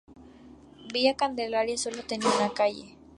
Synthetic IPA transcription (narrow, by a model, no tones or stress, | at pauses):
biakand̪elaɾjasolot̪eninakajḛ